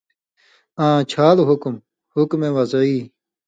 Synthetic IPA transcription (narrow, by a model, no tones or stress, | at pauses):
ãːt͡ɕʰaːluɦukm | hukmẽːwɐziː